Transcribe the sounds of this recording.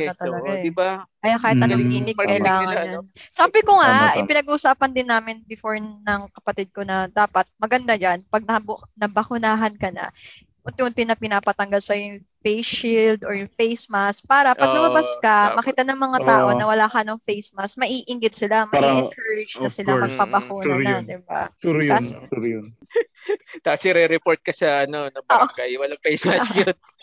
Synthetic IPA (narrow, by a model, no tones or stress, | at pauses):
ɐt̪ɐlɐɡaɛkɐjakaːhɪt̪ɐnoliːmɪkkːɐʔɪlaːŋɐnjansaːbɪkoŋaɪpɪnɐɡʊʔʊsaːpɐnd̪ɪnːaːmɪnbɪfoɹnɐŋkɐpɐt̪ɪd̪̚konɐd̪aːpɐt̪̚mɐɡɐnd̪ad͡ʒanpɐɡ̚nɐbnɐbɐkʊnaːɦɐnkɐnɐ̰ | ʔʊnt̪ɪʊnt̪ɪnɐpɪnaːpɐt̪ɐŋɡalsɐjʊŋ | fejsild̪oɹjʊfejsmask̚paːɾɐʔpɐɡnɐmɐbaskɐmɐkiːt̪ɐnɐŋmɐŋat̪aːʔo̞nɐwɐlaːkɐʔɐnoŋfejsmasmɐʔiːʔɪŋɡɪd̪̚sɪlamɐʔɛɪnkʰɛɾɪd͡ʒnɐsɪlamɐɡ̚pɐbɐkuːnːɐnɐd̪ɪba̰uɾas | t̪asɪɾɛɾɛpoɹɾt̪̚kɐʃɐɐnonobaʔokɐjwɐlaŋfejsmasjold̪̚